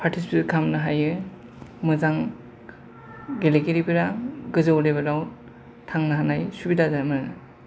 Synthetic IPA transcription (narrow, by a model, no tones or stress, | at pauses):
pʰaɾtʰispikʰamnɯɦajɯ | mɯzaŋ | ɡelekeɾibiɾaɡɯzawlebɐlaw | tʰaŋnɯɦanajsubidazamɯ